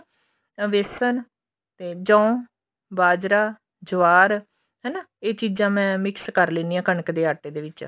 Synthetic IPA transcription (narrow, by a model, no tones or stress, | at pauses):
ʋesən | t̪eːd͡ʒɔ̃ː | baːd͡ʒɾaː | d͡ʒʊʋaːɾ | ɦɛːnaːeːt͡ʃiːd͡ʒãːmɛ̃ːmɪkskəɾleːniːãːkəɳəkd̪eːaːʈːeːd̪eːʋɪt͡ʃ